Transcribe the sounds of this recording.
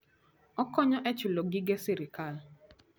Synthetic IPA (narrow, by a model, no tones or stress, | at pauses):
ɔkɔɲɔʔɛt͡ʃʊloɡɪɡɛsiɾɪkal